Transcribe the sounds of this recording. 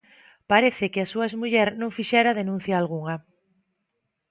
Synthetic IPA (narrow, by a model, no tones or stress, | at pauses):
paɾeθɪkɪasuazmuʎɛɾnõŋfiʃɛɾaðenũn̟θjaːlɣuŋɐ